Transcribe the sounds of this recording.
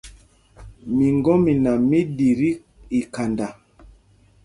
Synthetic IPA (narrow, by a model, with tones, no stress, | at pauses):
mi˨ŋɡɔ˦mi˨na˨mi˦di˨ɾi˦ | i˨ka˨nda˨